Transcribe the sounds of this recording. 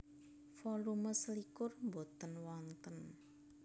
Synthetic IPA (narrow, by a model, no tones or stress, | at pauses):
fɔluməslikʊrmbo̤t̪ənwɔnt̪ən